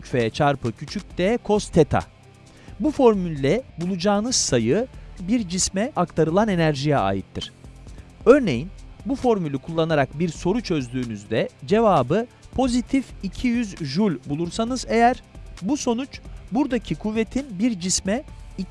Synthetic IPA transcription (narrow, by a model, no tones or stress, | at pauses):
cfeɛt͡ʃʰaɾpɯcʰyt͡ʃʰyc̚d̪ɛkʰo̞st̪ʰet̪ʰa̰ | bufo̞ɾmylʲːɛbulˠud͡ʒaːnɯz̥sajɯbiɾd͡ʒismɛʔakt̪ʰaɾɯlˠane̞næɾʒijɛa̰ːjit̪ʰːiɾ̝̥ | øɾne̞jinbufo̞ɾmylʲykʰulˠːanaɾak̚biɾso̞ɾut͡ʃʰø̞zd̪yːnyzd̪ɛd͡ʒe̞vaːbɯ | pʰo̞zit̪ʰificʰijyzʒulʲbulˠuɾsanɯze̞jæɾbuso̞nut͡ʃbuɾd̪acʰikʰuvːe̞t̪ʰinbiɾd͡ʒismɛi